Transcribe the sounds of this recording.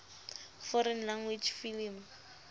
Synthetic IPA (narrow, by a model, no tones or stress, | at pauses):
fɔɾɛnlaŋwid͡ʒfilim